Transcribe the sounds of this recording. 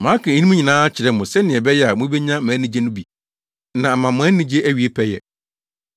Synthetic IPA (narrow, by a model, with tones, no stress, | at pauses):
mãː˨˦kʰã˨˦ni˦mũ˦ɲĩ˨nãː˦a˦t͡ɕʰɪ˨ɾɛ˨˦mʊ̃˨sɛ˦nɪ̃˨ɛ˨bɛ˦jɛ˦a˨mʊ̃˦be˦ɲã˦mãː˨˦nĩ˨d͡ʑe˦nʊ̃˦bi˨ | nã˨a˨mã˨mʊ̃˨a˦nĩ˨d͡ʑe˦ʔæ˦ɥi˨e˦pʰɛ˦jɛ̰˨